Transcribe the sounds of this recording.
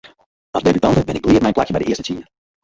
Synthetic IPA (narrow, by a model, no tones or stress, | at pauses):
ɑsdebytɑntəʋɪnɪk̚bəliːət̚mɛjnplakjəbɛjdəɪəstə̥tiə